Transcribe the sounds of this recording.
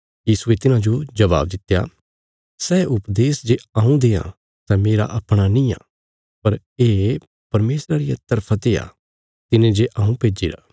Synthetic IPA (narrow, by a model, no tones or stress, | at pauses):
jiːsuet̪ɪnãd͡ʒod͡ʒɐβa̰ːb̚d̪ɪt̪eja̰ | sɛːʊpd̪eːsd͡ʒeɐːũd̪eːã̰ | sɛmeːɾa̰ʔɐpɽ̃anĩjã̰ː | pɐɾ | eː | pɐɾmeːsɾaɾɪjat̪ɐɾpʰat̪eːja̰ | t̪ɪnẽd͡ʒeʔaːũpeːd͡ʒiɾa̰ː